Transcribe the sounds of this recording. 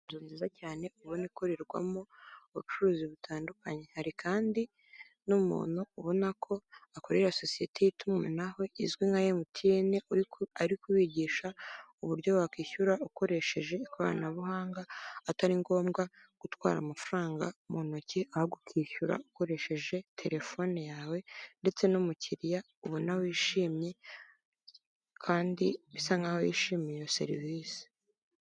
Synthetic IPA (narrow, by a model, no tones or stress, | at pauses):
zuːɲzizacaːne̞uβoniko̞ɾe̞ɾɡwa̰mouβut͡ʃuɾuːziβutʰaːndukaɲe̞haɾikʰaːndi | numṵːnuːβo̞nakʰo̞ako̞ɾeɾaso̞sije̞tʰe̞jitumenaho̞ʔizɡwiŋɡajemutʰieneaɾikuβiɟiːʃauβuɾɟo̞βakiːçuɾauko̞ɾe̞ʃe̞ʒe̞ikoβa̰ɾa̰naβuhaːŋɡaːtaɾiŋɡo̞ːmɡa | ɡ̥utwa̰ːɾa̰mafuɾaːŋɡa̰monociahoɡukʰiːçuɾa̰uko̞ɾe̞ʃe̞ʒe̞tʰe̞ɾe̞fo̞nejaːwe̞nde̞t͡se̞numuciɾija | uβunawojiʃiːmɲe̞ | kʰaːndiβisaŋɡahojiʃiːmɲijose̞̰ɾḭvisi̥